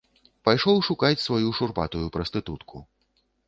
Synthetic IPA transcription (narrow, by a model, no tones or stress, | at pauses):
pajʂɔwʂukat͡sʲsvajuʂurpat̪ujupɾɐst̪ɨt̪ut̪kʰu